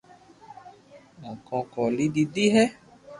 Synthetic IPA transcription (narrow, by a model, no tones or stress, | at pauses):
ɔ̃kɔ̃kɔlididiɦɛ